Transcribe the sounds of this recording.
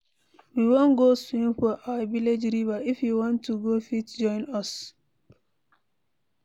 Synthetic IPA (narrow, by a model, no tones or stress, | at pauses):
wiwõnɡosĩnfɔʔawaviled͡ʒɹivaifjuwɔ̃ntːuɡofitd͡ʒɔ̃ɪ̃nɔs